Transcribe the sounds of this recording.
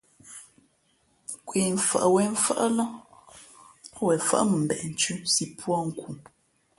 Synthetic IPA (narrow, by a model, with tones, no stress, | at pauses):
kwi˨ɱ̩˨fa̰˨ʔwɛ˨˦ɱ̩˦fa̰˦ʔla˦ | wɛ˨fa̰˦ʔmə˨m̩˨bɛ̰˨ʔn̩˨t͡ʃʉ˦si˨pʰwɔ˦ŋ̩˦ku˨